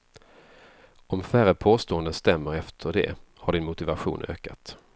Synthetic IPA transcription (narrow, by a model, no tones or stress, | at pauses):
ʔɔmfæɾəpʰoːst̪oːənd̪ənst̪ɛmːəɾɛft̪ʰəɖɛ̰ | haɖɪnmʊt̪ɪvaɧṵːnʔø̰ːkat̪